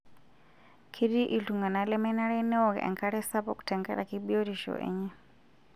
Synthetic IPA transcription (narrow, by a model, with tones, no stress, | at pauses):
kʰi˦ɾi˦ʔi˨ɬu˨ŋɡa˨na˨lɛ˦mɛ˦na˦ɾɛnɛ˦ɔ˨ɣɛ̰˨ʔɛ̰˨ŋkʰa˦ɾɛ˦sa˦pɔku̥tʰɛ˨ŋɡɛ̰˦ɾa̰˨kibiɔ˦ɾi˨ʃɔ̰ʔɛ̰˨ɲɛ˦